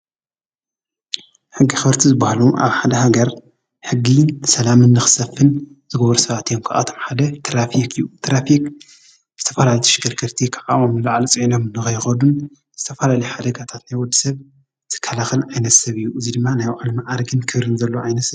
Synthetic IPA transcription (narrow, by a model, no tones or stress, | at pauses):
ħɨɡːixɨɾt̪ʰizɨbahluʔa̰βħad̪ɐhaɡɐɾ | ħɨɡːisɐlamɨnːɨxɨ̥sɐfːɨn | z̥ɨɡɐβɾusɐβat̪ijomkʰaʔa̰t̪ʰo̞mħad̪ɐt̪ʰɾafikʰʼɨjut̪ʰɾafikʼ | zɨt̪ʰɐfɐlalit̪ʰɐ̥ʃɨɡɨɾkʰɨɾt̪ʰikʰaʔaʔomlaʕlt͡sʼiʕino̞mɨnːɨxɐjxɐd̪un | z̥ɨt̪ʰɐfɐlalɐjħad̪ɐɡat̪ʰat̪najwɔd̪ːisɐβ | tʰɨ̥kʰːɐlaxɨlʕajnɐt̪sɐβɨjːuʔɨzid̪ɨmːanajʕɨlmiʔaɾɡɨnkʰɨβɾɨnzɐlːoʕajnɐt̪sɐβ